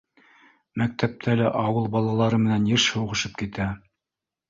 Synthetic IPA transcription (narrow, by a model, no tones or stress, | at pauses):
mæk̚t̪ʰæp̚t̪ʰælæʔɑwɤlˠbɑlˠɑlˠɑɾɤmɘ̆nænjɘɾʃhɤ̆wʁɤ̆ʃɤp̚kit̪æ